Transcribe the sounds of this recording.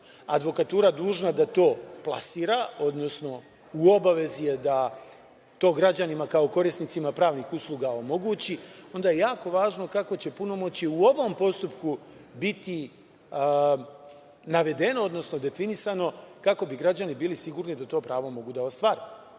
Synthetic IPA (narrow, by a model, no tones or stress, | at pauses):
ad̪ʋo̞kat̪uːɾad̪uːʒnad̪at̪o̞ːplˠa̰siːɾao̞d̪no̞sno̞ | uo̞baʋe̞zije̞d̪a | t̪o̞ːɡɾad͡ʑanimakaoko̞ɾisnit̪simapɾaːʋnixuslˠuːɡao̞mo̞ɡuːt͡ɕio̞nd̪ajejaːko̞ʋaːʒno̞kako̞t͡ɕe̞puno̞mo̞t͡ɕiuo̞ʋo̞mpo̞st̪upku | bit̪i | naʋe̞d̪e̞no̞od̪no̞sno̞d̪e̞finisano̞kako̞biɡɾad͡ʑanibiːlisiɡuːɾnid̪at̪o̞ːpɾaːʋo̞mo̞ɡud̪ao̞st̪ʋaːɾi